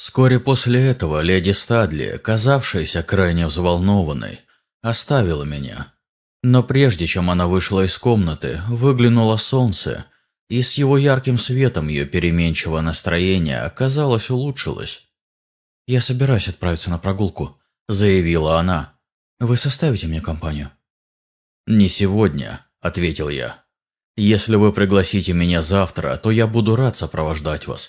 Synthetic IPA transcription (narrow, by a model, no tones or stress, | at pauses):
fsko̞ɾʲɪpo̞sʲlʲɪɛt̪əvəlʲedʲɪst̪ad̪lʲɪ̰ə̰kɐzafʂɨjəsʲəkɾajnʲɪvzvɐlˠno̞vənːə̰j | ɐst̪avʲɪlˠəmʲɪnʲa̰ | no̞pɾʲe̞ʐdʲɪt͡ɕe̞mɐnavɨʂlˠəɪsko̞mnət̪ɨ̰vɨɡlʲɪnʊlˠəso̞nt̪sə̰ | isjɪvo̞jarkʲɪmsvʲe̞t̪əmjɪ̰jopʲɪɾʲɪmʲenʲt͡ɕɪvənəst̪ɾɐjenʲɪ̰jə̰ɐkɐzalˠəsʲʊlˠutʂɨ̰lˠə̰sʲ | jasəbʲɪɾajʉsʲɐt̪̚pɾaɪt̪sənəpɾɐɡulˠkʊ | zəjɪvʲilˠəɐna | vɨsɐst̪avʲɪtʲɪmnʲekɐmpanʲɪjʊ | nʲɪsʲɪvodʲnʲə̰ | ɐt̪vʲetʲɪlˠja̰ | jesʲlʲɪvɨpɾʲɪɡlˠɐsʲitʲɪmʲɪnʲazaft̪ɾə̰t̪o̞jabud̪ʊɾat̪səpɾəvɐʐd̪atʲva̰s